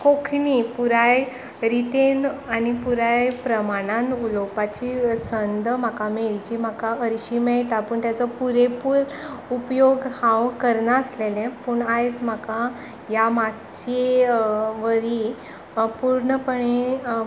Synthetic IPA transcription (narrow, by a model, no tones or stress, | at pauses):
kokʰɳipuɾaj | ɾit̪enanipuɾajpɾəmaɽ̃anulopat͡ɕisənd̪m̤akameɭd͡ʑiːm̤akaəɾɕiːmɛɭʈ̪apəɳt̪jat͡sɔpuɾepuːɾ | upjoɡhãwkəɾnaːslelɛ̃puːɳajd͡zm̤aka | jamat | t͡ɕe | ʋəɾi | puɾɳəpəɳe